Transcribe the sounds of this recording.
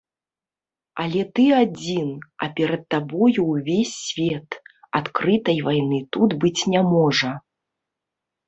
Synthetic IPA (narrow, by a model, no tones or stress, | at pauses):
alʲɛt̪ɨad͡zʲinɐ̰pʲɛɾɐt̪̚ːabɔjuwvʲesʲːvʲɛt̪ | at̪kɾɨt̪ɐjvajnɨt̪ud̪bɨt͡sʲnʲamɔʐɐ